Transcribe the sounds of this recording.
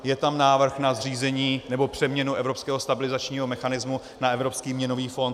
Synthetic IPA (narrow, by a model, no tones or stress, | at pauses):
jɛt̪amnaːvr̩xnazr̝iːzɛɲiːnɛbo̞pr̝̥ɛmɲɛnuʔɛvɾo̞pskɛːɦo̞st̪abɪlɪzat͡ʃɲiːɦo̞mɛxanɪzmu | naɛvɾo̞pskiːmɲɛno̞viːfo̞nt̪